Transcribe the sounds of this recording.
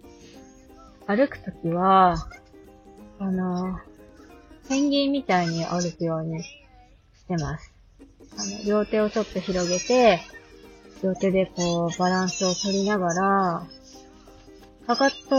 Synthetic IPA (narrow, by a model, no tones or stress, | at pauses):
aɾɯ̟kɯ̟̥t̪o̞kʲiβa | no̞ | hẽ̞ŋɡʲĩmmːʲit̪aiɲ̟iʔaɾɯ̟kɯ̟jo̞ːɲ̟i | ɕt̪e̞masɨ̥ | ano̞ɾʲo̞ːt̪e̞ːo̞to̞t̪ːo̞çiɾo̞ɡe̞t̪e̞ | ɾjo̞ːt̪e̞d̪e̞ko̞ːbaɾãɰ̃sɨo̞t̪o̞ɾʲinaɡaɾa | kakat̪ːo